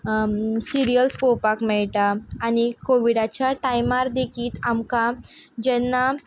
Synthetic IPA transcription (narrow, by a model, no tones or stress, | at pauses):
siɾijəlspowpakmɛɭʈaːnikoʋiɽat͡ɕjaʈajmaɾd̪ekʰiːt̪amkad͡ʑɛnːa